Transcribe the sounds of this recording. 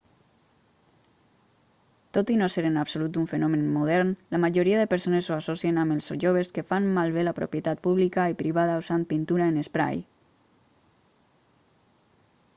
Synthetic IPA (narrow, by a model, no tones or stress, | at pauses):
t̪ot̪inoseɾenapsolut̪uɱfenɔmenmuðɛɾnlamaʒoɾiaðəpəɾsonesoasɔsienamelˠsoʒoβeskefanmalˠβelapɾo̰pjet̪at̪̚puβlikaipɾiβ̞aðausanpint̪uɾaenespɾa̰j